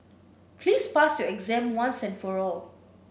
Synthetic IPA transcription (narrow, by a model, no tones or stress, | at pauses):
pʰliːspasjɔɛɡzɛ̃mwãnsɛ̃nfɔɹɔl